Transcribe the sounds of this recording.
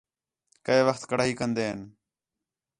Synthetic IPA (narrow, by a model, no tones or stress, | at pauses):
kəeːʋəxt̪kəɽaːɦiːkənd̪eːɦən